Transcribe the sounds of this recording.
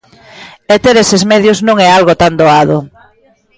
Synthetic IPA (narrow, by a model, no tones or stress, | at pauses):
et̪eɾesezmeðjʊznũŋɛalɣot̪and̪oaðo